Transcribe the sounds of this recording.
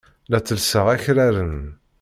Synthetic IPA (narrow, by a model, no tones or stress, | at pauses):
læt͡sːəlsəʁæçɾæɾən